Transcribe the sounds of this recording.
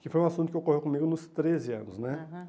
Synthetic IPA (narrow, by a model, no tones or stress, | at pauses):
kɪfojũasũt̪ʊkewkoɦikõmiɡʊnʊst̪ɾezɪɐ̰̃nʊsnɛ